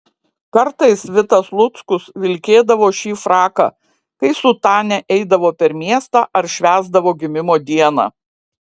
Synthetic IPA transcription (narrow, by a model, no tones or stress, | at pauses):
kɐɾt̪ɐɪsʋʲɪt̪ɐslˠʊt̪skʊsʋʲɪlʲkʲeːd̪ɐʋoːʃʲiːfɾɑːkɑ̰ː | kɐɪsʊt̪ɑːnʲɛʔɛɪd̪ɐʋoːpʲɛɾmʲiɛst̪ɑːʔɐɾʃʲʋʲæːzd̪ɐʋoːɡʲɪmʲɪmoːd̪ʲiɛnɑ̰ː